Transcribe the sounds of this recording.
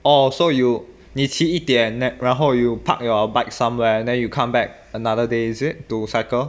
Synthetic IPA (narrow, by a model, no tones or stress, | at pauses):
ʔɔsoju | nisiitiɛ̃nɛ̃ɹãnɦojupʰa̰k̚jɔbaɪk̚sãmwɛɛ̃ndɛ̃njukʰãmbɛk̚ | ənadədeizit̚tusakəl